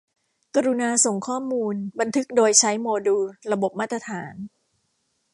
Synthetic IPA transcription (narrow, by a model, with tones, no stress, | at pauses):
ka˧ɾu˧naː˧so˨˩ŋkʰɔː˥˩muː˧nba˧nt̪ʰɯ˦˥k̚doː˧jt͡ɕʰa˦˥jmoː˧duː˧ɾa˧bo˨˩p̚maː˥˩t̪ɾa˧t̪ʰaː˩˦n